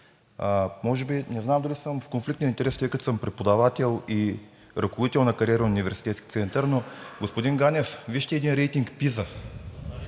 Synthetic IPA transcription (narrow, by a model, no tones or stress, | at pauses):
mɔʒɛbinɛznamd̪ɐlisəmfkonflikt̪ɛnint̪ɛɾɛst̪əjkət̪səmpɾɛt̪̚pod̪ɐvat̪ɛlˠi | ɾʔɐkovod̪it̪ɛlˠnɐkɐɾiɛɾʊnʲivɛɾsi̥t̪ɛt̪skʲi̥t̪sɛnt̪əɾnoɡospod̪inɡanʲɛfviʃt̪ɛːd̪inɾɛjt̪iŋkpizə